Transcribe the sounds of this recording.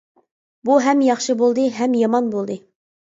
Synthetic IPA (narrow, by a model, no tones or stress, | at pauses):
buɦɛmjɑχʃɨbolˠd̪ɨɦɛmjɑmɑnbolˠd̪ɨ